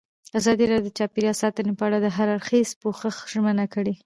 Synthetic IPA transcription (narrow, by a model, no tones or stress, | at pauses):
azɑd̪iɾɑdd̪ət͡ʃɑpeɾiɑsɑt̪ənepəaɽad̪əɦaɾaɽxezpoxəxʒmənakəɽe